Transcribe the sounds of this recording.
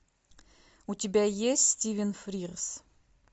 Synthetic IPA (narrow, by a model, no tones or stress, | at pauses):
ut̪ʲibʲæjesʲtʲstʲivʲɪnfɾʲiʁs